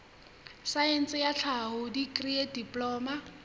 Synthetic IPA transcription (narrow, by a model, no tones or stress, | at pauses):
saɛn̩sɪjaɬʰaɦʊdikʼriadipʼlɔːma